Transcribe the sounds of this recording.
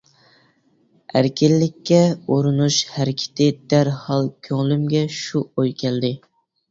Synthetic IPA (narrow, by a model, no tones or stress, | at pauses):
æɾkʲʰɪlːɪkʲːɛoɾɨnuʃhæɾkʲʰɪ̥t̪ʰɪd̪æɾhɑlˠkʲʰøŋlymɡʲɛʃuojkʲʰɛld̪ɪ